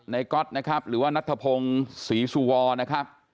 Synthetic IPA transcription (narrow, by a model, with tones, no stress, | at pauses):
na˧jkɔ˦˥t̪̚na˦˥kʰɾa˦˥p̚ɾɯː˩˦waː˥˩na˦˥t̪ʰːa˧pʰo˧ŋsiː˩˦su˧wɔː˧na˦˥kʰa˦˥p̚